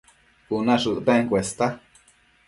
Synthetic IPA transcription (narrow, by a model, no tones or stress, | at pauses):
unãʂɨʔt̪ẽŋkwʷest̪a